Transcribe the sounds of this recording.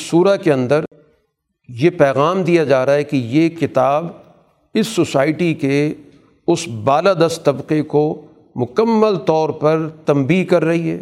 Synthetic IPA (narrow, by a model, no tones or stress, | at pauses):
suːɾakeɐ̃nd̪əɾ | jepɛːɣaːmd̪ijad͡ʒaːɾaɦɛkijekɪt̪aːb | ɪsːosaːɪʈike | ʊsbaːlad̪ɐst̪t̪ːɐbqeko | mʊkəmːəlt̪ɔːɾpɐɾt̪ɐ̃mbiːkɐɾːɐɦiɦɛ̰ː